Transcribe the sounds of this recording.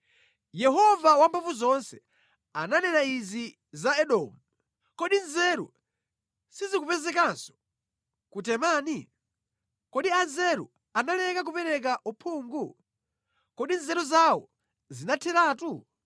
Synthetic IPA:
jɛɦɔvawambavuzɔnsɛ | ananɛnaizi | zaɛɗɔmu | kɔɗinzɛɾṵ | sizik̬upɛzɛkansɔ̥ | kutɛmaːni | kɔɗianzɛɾṵ | analɛkak̬upɛɾɛk̬aʔupʰuːŋɡu | kɔɗinzɛɾuzawɔ̰ | zinatʰɛɾaːtu

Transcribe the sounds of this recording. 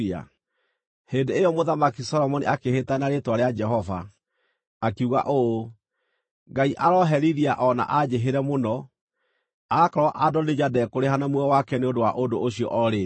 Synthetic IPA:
a̰ | hendeejɔmoðamakisɔlɔmɔnḭʔakehetanaɾetwaɾead͡ʒɛɦɔva̰ː | kiuɣa̰ʔo | ŋɡaiʔaɾɔɦɛɾiɾiaʔɔna̰ʔad͡ʑeɦeɾɛmonɔ | akaɾwɔʔadɔned͡ʒadɛkoɾeɦanamwɔwakɛneondowaʔodoʔoɕiɔ̰ʔɔɾe

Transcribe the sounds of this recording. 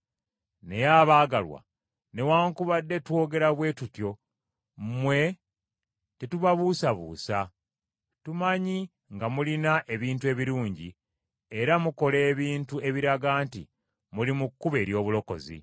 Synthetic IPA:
ne̞jaːβaːɡalwa̰ | ne̞waːŋkuβadːe̞two̞ɡe̞ɾaβwe̞ːtutjo̞ | mwe̞ | tetuβaβuːsaβṵːsa | tumaɲi | ŋɡamulinaʔe̞βiːntue̞ːβiɾuːɲɟi | e̞ɾamuko̞le̞ːβiːntue̞βiɾaɡaːntḭ | mulimukːuβe̞ːɾjo̞ːβulo̞ko̞̰zḭ

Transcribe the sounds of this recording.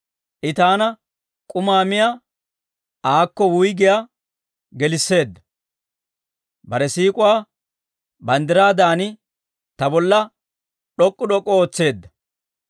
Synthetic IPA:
ʔɪt̪aːnɐ | kʼʊmaːmɪja | ʔaːkːɔwʊjɡɪja | ɡɛlɪsːe̞ːd̪ːɐ̥ | bɐɾɛsiːkʼʊwaː | bɐnd̪ɪɾaːd̪aːnɪ | t̪ɐbɔlːɐ | ɗɔkʼːʊɗɔkʼːɔoːt͡sːe̞ːd̪ːɐ̥

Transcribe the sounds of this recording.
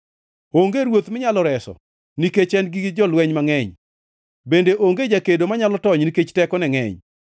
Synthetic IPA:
oŋɡeɾwot̪mɪɲalɔɾɛsɔ̰ | niket͡ʃɛnɡɪd͡ʒɔlwɛɲmaŋɛɲ | bendeʔoŋɡed͡ʒakedomaɲalɔtɔɲniket͡ʃtɛkɔnɛŋɛ̰ɲ

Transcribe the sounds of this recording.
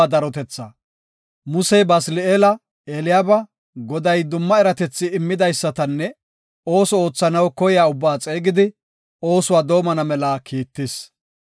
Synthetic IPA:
ad̪ɐɾɔt̪ɛt͡sːɐ | mʊsɛjbɐslɪeːlɐ | eːlɪjaːbɐ | ɡɔd̪ɐjd̪ʊmːɐɛɾɐt̪ɛt͡sːɪɪmːɪd̪ɐjsːɐt̪ɐnːɛ | o̞ːsɔo̞ːt͡sːɐnɐwkɔjɪjaːʊbːaːt͡sʼe̞ːɡɪd̪ɪ | o̞ːsʊwaːd̪o̞ːmɐnɐmɛlɐkʰiːt̪ːɪs

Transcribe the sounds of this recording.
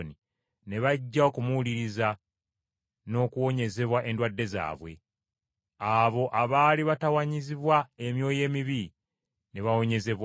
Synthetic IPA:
ni | ne̞βaɟːaokumuuliɾiza | no̞ːkuwo̞ɲe̞ze̞βwaʔe̞ndwadːe̞za̰ːβwḛ | aβo̞ʔaβaːliβatawaɲiziβwae̞mjo̞ːje̞ːmiβi | ne̞βawo̞ɲe̞ze̞βw

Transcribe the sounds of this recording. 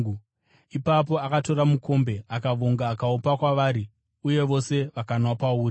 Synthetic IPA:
ipap̬o̞akato̞ɾamukʰo̞mbe̞akaʋoŋɡaːkaupakwaʋaːɾi | uje̞ʋo̞se̞ʋakanwapauːɾi

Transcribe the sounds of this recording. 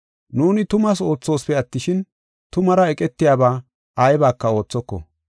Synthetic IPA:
nuːnɪt̪ʊmɐso̞ːt͡sːo̞ːspɛɐt̪ːɪʃɪn | t̪ʊmɐɾɐɛkʼɛt̪ːɪjaːbaː | ɐjbaːkːɐo̞ːt͡sːɔkːɔ̰

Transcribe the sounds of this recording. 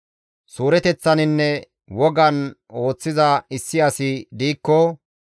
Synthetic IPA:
suːɾɛt̪ɛt͡sːɐnɪnːɛ | wɔɡɐno̞ːt͡sːɪzɐɪsːɪjɐsɪd̪iːkːɔ

